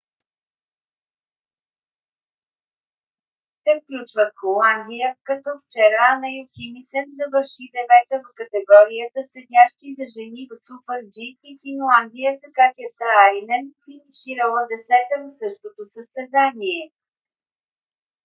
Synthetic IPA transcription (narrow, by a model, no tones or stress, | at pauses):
t̪ɛfklʲut͡ʃvət̪xolˠand̪ijəkɐt̪ɔft͡ʃɛɾanɐjoximisɛnzɐvəɾʃid̪ɛvɛt̪əvəkət̪ɛɡɔɾijət̪əsɛd̪ʲaʃt̪izɐʒɛnivəsupɛɾd͡ʒiːfinlˠand̪ijəsɐkat̪ʲiəsəaɾinɛnfiniʃiɾəlˠəd̪ɛsɛt̪əvəsɤʃt̪ot̪osəst̪ɛzaniɛ